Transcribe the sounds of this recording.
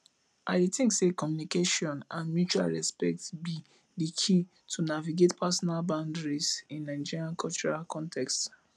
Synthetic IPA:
ʔadetĩŋksekɔmjunikeʃɔ̃nãnmjut͡ʃua̰lɹɛspɛ̰k̚tbi | dikʰi | tʰunaviɡetpʰasɔnalbãʊ̃ndɹisĩnːaɪ̃d͡ʒiɹiãnkʰɔlt͡ʃɔɹalkʰɔ̃ntʰɛkst

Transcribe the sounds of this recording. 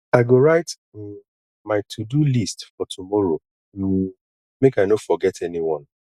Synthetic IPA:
aɪɡoɹaɪt | maɪtʰudulistfɔtʰumɔɹo | u | mekaɪnofɔɡɛtʰɛniwɔ̃n

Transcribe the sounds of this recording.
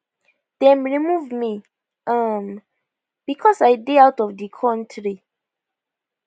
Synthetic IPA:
d̥ɛ̃mɹimuvmi | ʔam | b̥ikʰɔsajdeawtɔvdikʰɔ̃ntʰɹi

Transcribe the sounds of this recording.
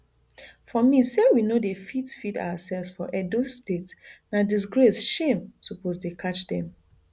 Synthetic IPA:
fɔmisɛwinodefitsfida̰wasɛlvsfɔʔɛdostetnadis̬ɡɹesʃẽmsopozdekʰat͡ʃdɛ̰̃m

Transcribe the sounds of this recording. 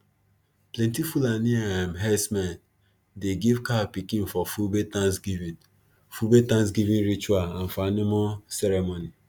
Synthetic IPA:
plɛ̃ntifulaniaãmɦɛsmãn | deɡevkapikĩnfɔfubetãnsɡivĩ | fubetãns̬ɡivĩnɾit͡ʃualãnfɔanomosɛɾemoni

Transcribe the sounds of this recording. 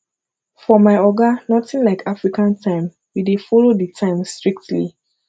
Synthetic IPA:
fɔmaɪɔɡanɔtĩnlaɪkʰafɹikãntʰãɪ̃m | widefɔloditʰãɪ̃mstɹik̚tlḭ

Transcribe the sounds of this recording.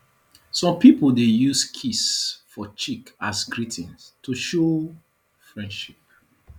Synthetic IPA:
sɔ̃mpipoldejuskʰisfɔt͡ʃikasɡɹitĩnstʰuʃo | fɹɛ̃ndʃip̚

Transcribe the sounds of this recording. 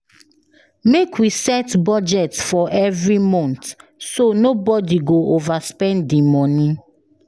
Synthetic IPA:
mekwisɛtbɔd͡ʒɛtfɔʔɛvɹimɔ̃ntsonobɔdiɡoʔovaspɛ̃ndimɔnĩ

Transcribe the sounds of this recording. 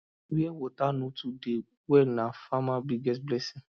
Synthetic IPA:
ɾiewotanũtude | wɛnãfamãbiɡɛsblɛsĩ

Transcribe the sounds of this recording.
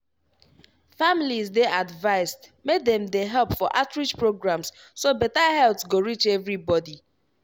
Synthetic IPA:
familizdeʔadvaɪstmed̪ɛ̃mdeɦɛlˠpfɔʔatɹid͡ʒpɹoɡɹãms | sobɛtaɦɛltsɡoɹit͡ʃɛvɹibɔdi

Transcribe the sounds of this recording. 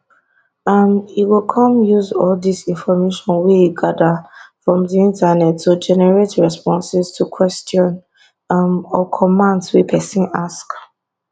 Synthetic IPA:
amiwilkʰɔ̃mjuzɔldisĩnfɔmeʃɔ̃nwiɛiɡadəfɹɔ̃mðiĩntanɛtʰːud͡ʒɛnɛɹetɹɛspɔ̃nsɛstʰukʰwɛstɔ̃n | mɔkʰɔmãndswipʰɛsĩnask

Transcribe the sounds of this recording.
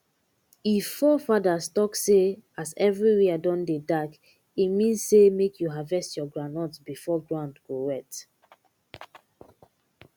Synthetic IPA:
ifːɔfadastɔksseazɛvɹiɹiadɔ̃ndedak | imĩnzsemekjuɦavɛstjɔɡɹanɔtbifɔɡɹãndɡowɛt

